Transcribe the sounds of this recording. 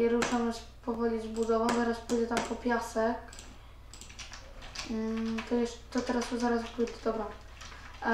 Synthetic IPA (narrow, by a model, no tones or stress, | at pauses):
ɛɾuʂamɛs | pɔvɔlʲizbud̪ɔvɔ̃w̃zaɾaspujd͡ʑɛt̪ampɔpʲjasɛk | t̪ɔjɛʂt̪ːɔt̪ɛɾast̪ɔzaɾaspujd͡ʑɛd̪ɔbɾa